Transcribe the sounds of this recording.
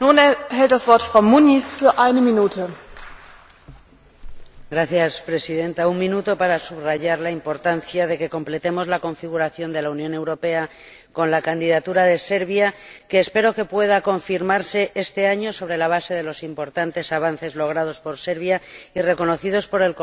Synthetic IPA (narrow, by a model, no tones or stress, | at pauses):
nunhɛlt̚d̥asv̥ɔɐtfʁ̥aʊmunisfyːɐʔaɪnəminuːtʰə | ɡɾaθjaspɾe̞siðe̞nt̪auŋmĩnut̪o̞paɾasuβraʝaɾlaimpo̞ɾt̪anθjað̞e̞ke̞ko̞mple̞t̪e̞mo̞zlako̞ɱfiɣ̞uɾaθjo̞nd̪e̞launjõ̞ne̞wɾo̞pe̞a | ko̞nlakand̪iðat̪uɾað̞e̞se̞ɾβ̞jake̞ːspe̞ɾoke̞pwe̞ðako̞ɱfiɾmaɾse̞ʔe̞st̪e̞aɲo̞so̞βɾe̞laβ̞ase̞ðe̞lo̞simpo̞ɾt̪ant̪e̞saβ̞an̟θe̞zlo̞ɣ̞ɾað̞o̞spo̞ɾse̞ɾβjaire̞ko̞no̞θið̞o̞spo̞ɾe̞lk